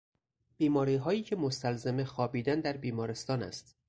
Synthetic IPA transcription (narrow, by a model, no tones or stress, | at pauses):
b̥iːmɒːɾiːɦɒːjiːcʰe̞most̪ælzeme̞xɒːbiːd̪ænd̪æɾbiːmɒːɾest̪ɒːnæ̰st̪